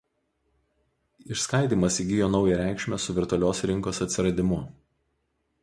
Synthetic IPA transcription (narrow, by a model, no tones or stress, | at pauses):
ɪʃskɐˑɪd̪ʲiːmɐsʲiɡʲɪjoːnɒʊjɛɾʲæˑɪkʃʲmʲɛsʊʋʲɪɾt̪ʊɐlʲoːsɾʲɪŋkoːsɐt̪ʲsʲɪɾɐd̪ʲɪmʊ